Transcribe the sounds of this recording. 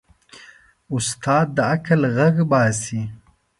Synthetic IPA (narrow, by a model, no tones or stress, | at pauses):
ʊst̪ʰɑːd̪̚ːəakalɣaɡbɑːsi